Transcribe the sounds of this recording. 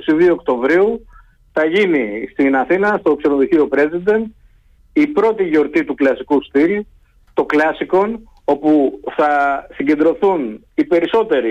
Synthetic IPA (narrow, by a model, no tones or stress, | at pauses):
siðioːkt̪o̞vɾiu | θɐʝinist̪inɐθinɐst̪o̞kse̞noðoçio̞pɾe̞zid̪e̞nd̪̚ | ipɾo̞t̪iʝo̞ɾt̪it̪uklɐsikust̪il | t̪o̞klɐsiko̞n | o̞puθɐsiɲɟend̪ɾo̞θun | ipe̞ɾiso̞t̪e̞ɾi